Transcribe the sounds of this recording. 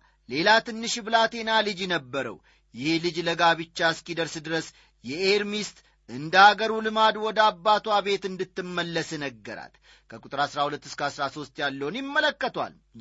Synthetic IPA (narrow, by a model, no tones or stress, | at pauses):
le̞lat̪ʰɨnːɨʃbɨlat̪ʰe̞nalɨd͡ʒjɛnəbːəɾə̰w | jɪhelɨd͡ʒləɡaβɨt͡ʃːaskʼid̪əɾsd̪ɨɾəs | jɛeɾmist̪ | ʔɨnd̪əaɡəɾulɨmad̪wɔd̪əabːat̪ʰwaβe̞t̪ɨnd̪ɨt̪ːɨmːəlːəsɛnəɡːəɾa̰t̪ | kʰəkʼut̪ʼɨɾasɾahulət̪ːɨskəasɾaso̞st̪jalːəwunjɪmːələkːət̪ʰwa̰l